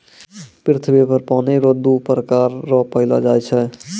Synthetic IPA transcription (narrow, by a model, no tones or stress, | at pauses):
pɾɪt̪ʰəbepəɾpaːneɾɔd̪upɾəkaːɾːɔpəɪla̰d͡ʒaːjt͡ʃʰɛ